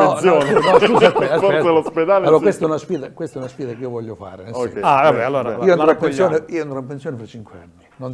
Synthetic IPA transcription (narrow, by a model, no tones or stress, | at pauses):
eɔsjoːnnɔɛkafelosped̪aːlalːoːɾakwest̪aɛunasfiːd̪akwest̪ɛunasfiːd̪akeiovɔʎːofa̰ːɾenesɛ̰aabɛalːoːɾiːoenɾapːensjoːneiːoend̪ɾampːensjoːnefɾat͡ʃːiŋkwea̰nːinon